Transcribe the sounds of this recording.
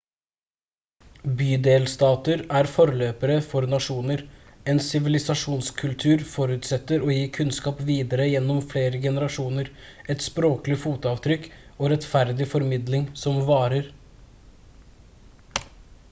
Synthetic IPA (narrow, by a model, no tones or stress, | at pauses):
byːd̪eːlst̪ɑːt̪əɾæːɾfɔɾløːpəɾəfɔɾnɑʂuːnəɾɛːnsɪʋɪlɪsɑʂuːnskʰʉlt̪ʰʉːɾfɔɾʉːt̪sɛt̪ːəɾoːjiːkʰʉnskɑːpʋiːd̪əɾəjɛnːɔmfleːɾəɡɛnəɾɑʂuːnəɾ | ɛt̪spɾoːklɪfuːt̪ɑːʋt̪ʰɾʏkoːɾɛt̪fæɾd̪ɪfɔɾmɪd̪lɪŋsɔmʋɑːɾəɾ